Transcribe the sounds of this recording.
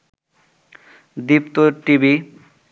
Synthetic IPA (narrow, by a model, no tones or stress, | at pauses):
d̪ipt̪oʈibi